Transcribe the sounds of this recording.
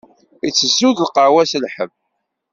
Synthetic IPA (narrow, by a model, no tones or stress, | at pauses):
it͡sːəzuðlqəʕwæsəlħəv